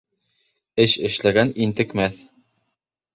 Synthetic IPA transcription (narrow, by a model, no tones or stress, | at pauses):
ɘʃɘ̆ʃlæɡænint̪ɘ̆kmæθ